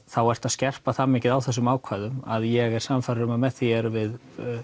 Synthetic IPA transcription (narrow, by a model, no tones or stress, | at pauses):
θawɛr̥t̪aðscɛr̥paθamːɪcɪðawθɛsːʏmaːwkʰvaːjðʏmaðjɛɣɛɾ̥samfaɾɾʏmamɛθjɛɾvɪð